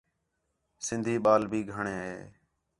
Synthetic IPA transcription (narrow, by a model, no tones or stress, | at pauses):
sɪnd̪ʱiːɓaːlbʱiːɡʱəɳeːɦḛː